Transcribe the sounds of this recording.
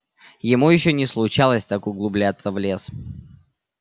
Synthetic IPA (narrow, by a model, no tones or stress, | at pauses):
jɪmujɪɕːonʲɪslˠʊt͡ɕalˠəsʲt̪akʊɡlˠʊblʲat̪səvlʲe̞s